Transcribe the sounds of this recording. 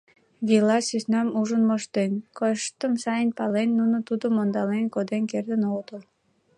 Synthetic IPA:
βʲilɑsysnɑmuʒənmoʃt̪enkoʃt̪əmsɑjənpɑlenːunə̆t̪ud̪əmond̪ɑlenkod̪enkerd̪ənolt̪əl

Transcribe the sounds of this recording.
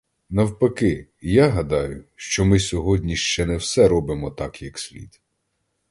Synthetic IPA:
nɐwpɐkɪjaɦɐd̪ɑjʊʃt͡ʃɔmɪsʲɔɦɔdʲnʲiʃt͡ʃɛnɛwsɛɾɔbɪmɔt̪ɑkjɐksʲlʲḭd̪

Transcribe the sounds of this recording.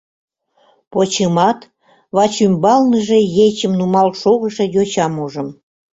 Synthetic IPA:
pot͡ɕəmɑt̪ | βɑt͡ɕymbɑlnəʒĕjet͡ɕəmnumɑlʃoɣə̆ʃĕjot͡ɕɑmuʒə̆m

